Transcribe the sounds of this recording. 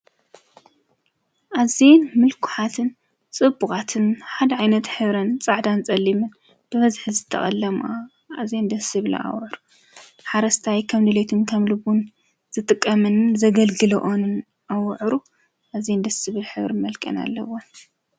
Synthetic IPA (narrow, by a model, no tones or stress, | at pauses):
ʔazenmɨlkʰʊ̥ħat̪ʰɨn | t͡sʼɨbuxʼat̪ʰɨnħad̪ɐʕajnɐt̪ħɨβɾɐnt͡sʼaʕd̪ant͡sʼɐlːimɨn | b̥ɨβɐzħɨzɨt̪ʰːɐ̰χʼɐ̰lːɐmʔa | azend̪ɐsɨβɨl̰a̰wʕɾu | ħaɾɐst̪ʰajkʰɐmd̪ɨlet̪ʰɨnkʰɐmlɨβun | z̥ɨt̪ʼɨkʼːɐmɨnzɐɡɐlɡɨlɐ̰ʔonɨn | ʔawʕɾu | ʔazend̪ɐsɨβɨlħɨβɾɨmɐlkʼɐ̰na̰lːɐ̰wo